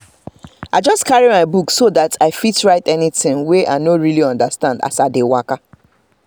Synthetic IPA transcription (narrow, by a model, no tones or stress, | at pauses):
aɪd͡ʒʌskaɹimaɪbuksodatʰaɪfitɹaɪtɛnitɪ̃ŋweʔa̰ɪnoɹiliɔ̃ndastãnda̰saɪdewaka